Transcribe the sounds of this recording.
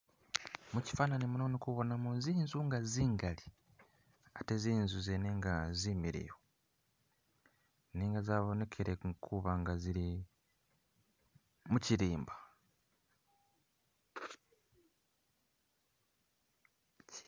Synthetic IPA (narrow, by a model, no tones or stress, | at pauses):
muci̥faːnanimuno̞nekuβo̞namoziːnzuŋɡaziːŋɡali | ateziːnzuzeneŋɡaziːmiɾḭjo | niːŋɡazaːβo̞ne̞kʰeɾekʰuβaŋɡaziɾi | muciɾiːmba